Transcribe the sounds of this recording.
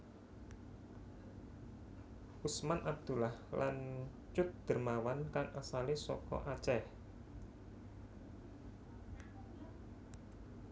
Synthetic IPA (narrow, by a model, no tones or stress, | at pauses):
ʔusmanʔab̚d̪̥ulahlan | t͡ʃʊt̪̚d̪̥ə̤rmawankaŋʔasalesɔkɔ̰ʔat͡ʃɛh